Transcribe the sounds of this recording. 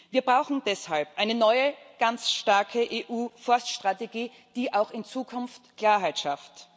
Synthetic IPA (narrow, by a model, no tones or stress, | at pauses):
viːɐbʁaʊxn̩d̥ɛshalpʔaɪnənɔʏəɡ̥ant͡sʃtaɐkʰəʔeːʔuːfɔɐstʃtʁ̥ateɡiː | d̥iːʔaʊxɪnt͡suːkʰʊnftkl̥aːɐɦaɪtʃaft